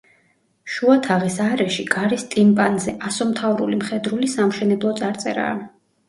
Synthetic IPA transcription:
ʃuat̪ʰaʁisaɾɛʃiɡaɾist̪ʼimpʼanzɛʔasɔmt̪ʰavɾulimχɛd̪ɾulisamʃɛnɛblˠɔt̪sʼaɾt̪sʼɛ̰ɾa̰ː

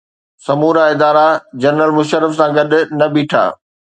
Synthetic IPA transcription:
sɐmuːɾaɪd̪aːɾad͡ʑɐɾnːəlmʊʃəɾəfsãɡɐɗʊnɐbiːʈʰa̰ː

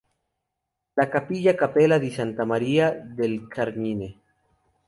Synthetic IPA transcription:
lakapiʎakapelaðisant̪amaɾiaðelkʰaɾmine

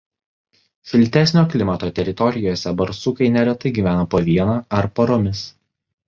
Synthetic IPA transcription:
sʲɪlʲˑt̪ʲæsʲnʲoːklʲɪmɐt̪oːt̪ʲɛɾʲɪt̪ɔɾʲɪjoːsʲɛbɐɾsukɐɪnʲɛɾʲɛt̪ɐɪɡʲiːʋʲæːnoːpoːʋʲiɛnaːɐɾpɐɾomʲɪs

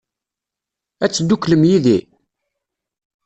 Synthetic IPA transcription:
æt͡sːd̪ːukləmjiði

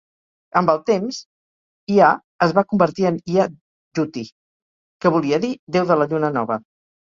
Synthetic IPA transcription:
əmbəlˠt̪emz | ia | əzβakumbəɾt̪iənia | ʒut̪i | kəβuliəðid̪ewðələʎunənɔβə

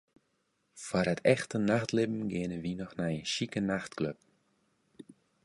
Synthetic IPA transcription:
fwaɾətʰɛxtənaxtlɪbm̩ɡɪənəʋinɔxnajənʃikənaxtkløp̚

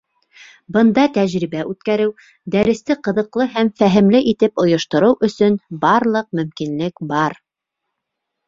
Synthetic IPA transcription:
bɤ̆nd̪ɑt̪æʑɾiβæʔʉt̪kæɾɘw | d̪æɾɘ̆st̪ɘqɤ̆ðɤ̆qlˠɤɦæmfæɦɘ̆mlɘʔit̪ɘpŏjŏʃt̪ŏɾɤwʔɵ̆sɵnbɑɾlˠɤq̚mɵ̆mkinlɘkbɑɾ

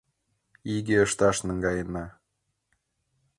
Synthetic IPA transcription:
iɡeə̆ʃt̪ɑʃnɤ̆ŋɡɑjə̆nɑ

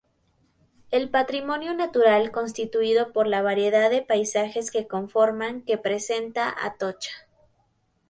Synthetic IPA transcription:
e̞lpat̪ɾimõ̞njo̞nat̪uɾalko̞ns̬t̪it̪uiðo̞po̞ɾlaβaɾje̞ðaðe̞pajsaxe̞ske̞ko̞ɱfo̞ɾmaŋke̞pɾe̞se̞nt̪aʔa̰t̪o̞t͡ʃḁ

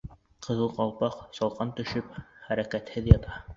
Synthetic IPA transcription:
qʰɤ̆ðɤ̆lˠqɑlˠpɑqsɑlˠqɑnt̪ɵ̆ʃɵpχæɾækæt̪hɘðjɑt̪ʰɑ

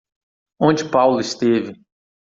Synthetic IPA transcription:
õnd͡ʒɪpawlʊɪst̪evɪ

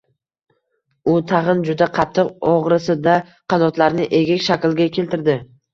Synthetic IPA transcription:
ʊt̪ʰɑʁɨnd͡ʒʊd̪aqʰɑt̪ʰːɨqɒʁɾɪsɪd̪a | qʰɑnɒt̪laɾnɪʔe̞ɡʲɪkʲʃakʲlˠɡʲakʲʰe̞lt̪ɪɾd̪ɪ

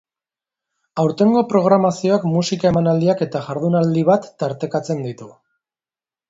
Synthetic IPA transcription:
awɾt̪e̞ŋɡo̞pɾo̞ɣ̞ɾamasio̞akmusikae̞manald̪iake̞t̪aʝaɾðunald̪iβat̪ːaɾt̪e̞kat͡se̞nd̪it̪u

